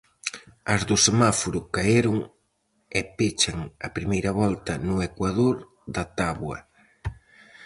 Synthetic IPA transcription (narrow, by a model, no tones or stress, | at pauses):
ɐzðʊsemafoɾʊkaeɾʊŋ | ɛpet͡ʃɐŋɐpɾimejɾɐβɔlt̪ɐnʊekwað̞oɾ | ðɐt̪aβwɐ̰